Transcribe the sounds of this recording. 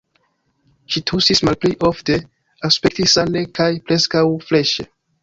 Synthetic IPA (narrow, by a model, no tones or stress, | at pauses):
ʃitʰusismalpliʔofte̞ | aspek̚tisane̞kʰajpɾeskawfleʃe